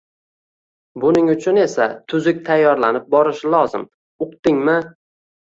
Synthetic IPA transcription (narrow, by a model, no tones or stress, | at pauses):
bʊnɪŋʊt͡ʃʰʊne̞sat̪ʰʊzɪk̚ʲt̪ʰajːɒɾlanɪp̚bɒɾɪʃɪlˠɒzɪ̰m | ʊqt̪ɪŋmɪ